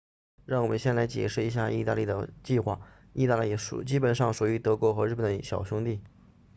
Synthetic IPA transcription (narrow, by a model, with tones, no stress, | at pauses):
ɻɑ˥˩ŋwɔ˨˩mə˦nɕjɛ˥˩nla˧˥ɪt͡ɕjɛ̰˨˩ʂɻ̩˥˩i˧˥ɕ̬ja˥˧i˥˧t̪a̰˥˧li˥˩d̪ə̰˩t͡ɕi˥˧xwa̰˥˩ | i˥˧t̪a˥˧li˥˩˧ʂṵ˨˩t͡ɕi˥pə˨˩nʂɑ˥˩ŋʂu˨˩y˧˥t̪ɤ˧˥kwɔ˧˥xɤ˧˥ɻ̩˥˩ə˨˩nəɕjɑ˨˩ʊɕʊ˥ŋt̪i˥˩